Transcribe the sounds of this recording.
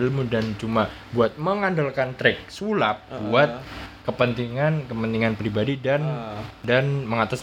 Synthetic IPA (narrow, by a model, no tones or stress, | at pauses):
lmudant͡ʃuma | buat̪̚məŋandolkant̪ɾɛk̚sulap̚buat̪̚kəpənt̪iŋankəpənt̪iŋanpɾibadidandanməŋat̪as